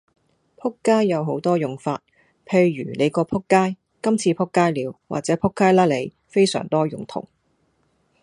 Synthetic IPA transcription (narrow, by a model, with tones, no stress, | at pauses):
pʰʊ˥kːaː˥jːɐ˨˧wɦo˨˥wt̪ɔː˥jʊ˨˩ŋfaː˧t̚ | pʰe˧jːy̰ː˨˩nle˨˧jkɔː˧pʰʊ˥kːaː˥j | kɐ˥mt͡sʰiː˧pʰʊ˥kːaː˥jliː˨˧wwa̰˨k̚t͡sɛː˨˥pʰʊ˥kːaː˥jlaː˥le˨˧j | fe˥jsœ̰ː˨˩ŋt̪ɔː˥jʊ˨ŋt̪ʰʊ̰˨˩ŋ